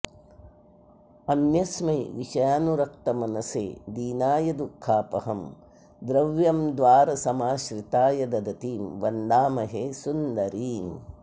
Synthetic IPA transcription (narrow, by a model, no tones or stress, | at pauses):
ɐnjɐsmɐjʋiʃɐjaːnuɾɐk̚t̪ɐmɐnɐsḛːd̪iːnaːjɐd̪ukʰːaːpɐ̰ɦɐm | d̪ɾɐʋjɐmd̪ʋaːɾɐsɐmaːʃɾit̪aːjɐd̪ɐd̪ɐt̪iːmʋɐnd̪aːmɐɦeːsund̪ɐɾiːm